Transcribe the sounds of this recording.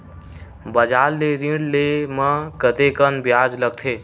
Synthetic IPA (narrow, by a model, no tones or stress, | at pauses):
bəd͡ʒaːlːeɾĩɽlemə̃kət̪ekənbjaːd͡ʒləɡ̚t̪ʰeː